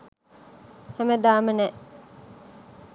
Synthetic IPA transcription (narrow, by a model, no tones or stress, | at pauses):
hæmed̪aːmənɛ